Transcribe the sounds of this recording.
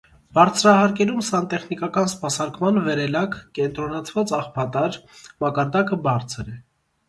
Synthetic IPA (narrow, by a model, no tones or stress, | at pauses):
b̥ɑɾt͡sʰɾɑɦɑɾkɛɾumsɑnt̪ɛχnikɑkɑnspɑsɑɾkmɑnvɛɾɛlɑkkɛnt̪ɾɔnɑt͡sʰvɑt͡sɑχpʰɑt̪ɑɾmɑkɑɾd̪ɑkəbɑɾt͡sʰɾɛ